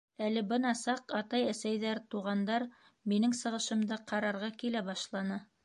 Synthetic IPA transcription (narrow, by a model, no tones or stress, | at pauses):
ælɘbɤnɑsɑqɑt̪ɑjæsæjðæɾt̪uʁɑnd̪ɑɾ | minɘŋsɤ̆ʁɤ̆ʃɤ̆md̪ɤqʰɑɾɑɾʁɑkilæbɑʃlˠɑnɤ